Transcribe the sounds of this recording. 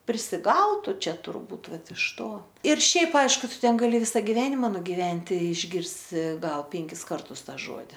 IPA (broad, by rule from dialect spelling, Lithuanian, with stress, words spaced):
pʲrʲɪsʲɪˈɡɐʊtʊ ˈt͡ʃʲɛ tʊrˈbuːt ˈʋɐt ɪʃ ˈtoː ɪr ˈʃʲɛɪp ˈɐɪʃkʊ ˈtʊ ˈtʲɛn ɡɐˈlʲɪ ˈʋʲɪsɐ ɡʲɪˈʋʲæːnʲɪmɐ nʊɡʲɪˈʋʲɛnʲtʲɪ ɪʒʲˈɡʲɪrʲsʲɪ ˈɡɐlˠ ˈpʲɛŋʲkʲɪs ˈkɐrtʊs ˈtɑː ˈʒuɔdʲɪ